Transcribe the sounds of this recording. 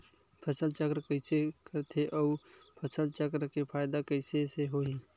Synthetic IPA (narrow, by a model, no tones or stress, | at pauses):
pʰəsəlt͡ʃəkɾkəɪsekəɾt̪ʰeʔɔːpʰəsəlt͡ʃəkɾkepʰaːjd̪akəɪseseɦoːĩː